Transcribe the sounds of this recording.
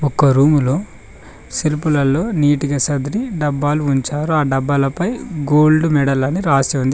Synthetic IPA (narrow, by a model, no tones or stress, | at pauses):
ɔkːɐɾuːmulo̞ː | silpulɐlo̞ːniːʈiɡɐsɐd̪ɾiɖɐbːaːluuɲt͡ʃaːɾuaːɖɐbːɐlɐpɐjɡoːlɖumɛɽɐlɐniɾaːsiund̪i